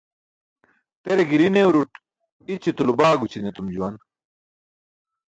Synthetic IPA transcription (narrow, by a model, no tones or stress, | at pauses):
t̪eɾeɡiɾinewɾuʈ | it͡ɕit̪ulubaːɡut͡ɕʰinet̪umd͡ʑuwɐn